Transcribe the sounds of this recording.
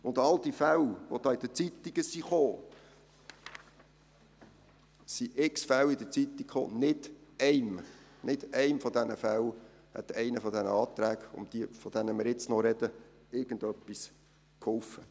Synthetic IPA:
ʊnd̪ɑld̥̪ifæwʋɔd̥̪ɑːid̥ət͡sit̪ːiɡ̥əsiχoː | siʔɪksfæwɪd̪ət͡sit̪ikχo̰ːnɪd̥ɛɪmnɪd̥ɛɪmfɔd̪ɛnəfæw | hɛ̰t̪ɛɪnəfɔd̪ɛnəɑːt̪ɾæːɡʊ̰md̥̪ifɔd̥̪ɛnəmɪɾɪt͡snɔɾɛd̥̪ə | ɪɾɡ̥ən̩d̪œpːis | kʰhɔlfə

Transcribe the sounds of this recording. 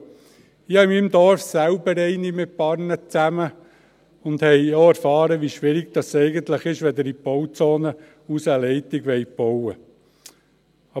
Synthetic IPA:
ɪhɑɪmimd̪ɔɾfsæʊbəɾɛɪnimɪt̚pɑɾnət͡sæmə | ʊnd̪hɛjjoæɾfɑːɾəʋiʃʋɪɾiɡ̚d̥̪ɑsɛɪɡənt̪ləχɪʃʋɛd̪əɾibɔwt͡soːnə | usəlɛɪt̪ɪɡʋɛjb̥ɔwə | ɑ

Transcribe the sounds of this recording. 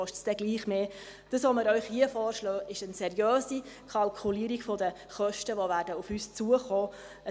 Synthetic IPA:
ɔʃtsd̥ɛɡliːχmeː | d̥əsʋoməɾœʏχhiəfɔːɾʃlœːʔɪʃənsɛɾjøːsikʰɑlkʰuliːəɾiɡfɔdə | χœʃtəʋoʋæːɾdəufyːst͡suəχɔː | ə

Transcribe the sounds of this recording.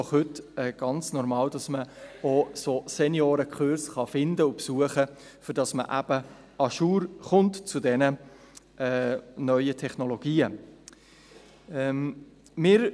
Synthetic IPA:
dɔχhɵtɛːɡ̥ɑnt͡snɔɾmɑːld̥ɑsməososɛnjoːɾəkʰχøɾsχɑfɪndəʊpsuəχə | fʏɾd̥ɑsmə̰ʔæ̰b̥ə | ɑʃuːɾχʊntt͡sudɛnə | ɛːnœʏətʰɛχnoloɡ̥iːə | ɛm | mɪːɾ

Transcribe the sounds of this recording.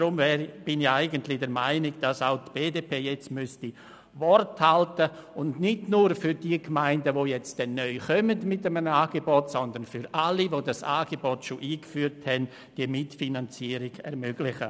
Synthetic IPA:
dɾʊmvɛːɾb̥ɪnɪxaɪɡəntlɪdɛɾmaɪnɪɡd̥asaʊtb̥eːdeːpʰeːjɛt͡stmʏsti | vɔrthaltəʊndnɪdnuːɾfyɾd̥iəkmaɪndəvojɛt͡st̚d̥ɛnːœʏxœmədmɪtːəmənaːɡ̥ebɔtsɔndənfʏɾalivoːdasa̰ːɡ̥ebɔtʃoʔiːkfyːɾthɛn | d̥iːmɪtfinant͡siːəɾɪɡ̥ɛ̰ɾmøɡ̥lɪxə

